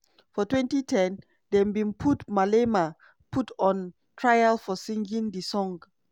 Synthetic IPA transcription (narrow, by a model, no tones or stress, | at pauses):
fɔtwɛ̃ntitʰɛ̃n | dɛ̃mbĩnpʰutmalema | pʰutɔ̃n | tʰɹajalfɔsĩŋɡĩŋdəsɔ̃ŋ